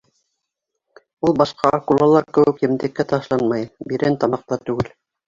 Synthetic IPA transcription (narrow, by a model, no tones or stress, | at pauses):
ulˠbɑʃqɑʔɑkulˠɑlˠɑɾkɘ̆wɘ̆kjɘ̆md̪ɘ̆kːæt̪ɑʃlˠɑnmɑjbiɾɘnt̪ɑmɑq̚t̪ɑt̪ʉɡɘl